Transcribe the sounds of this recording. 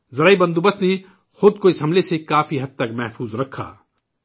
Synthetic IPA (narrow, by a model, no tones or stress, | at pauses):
zɐɾaːibɐ̃nd̪ubəsne | xʊd̪̚koɪsɦɐmlesekaːfiɦɐd̪̚t̪ːɐkmɛɦfʰuːzɾɐkʰːa̰ː